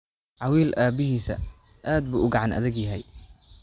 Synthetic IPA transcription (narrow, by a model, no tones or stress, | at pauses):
ʕɑwiːlʔaːbɪɦiːsɐ̰ | ʔaːd̪̚bʊʔʊɡɑʕɑnʔɐ̰ðɪɡjɐɦɛj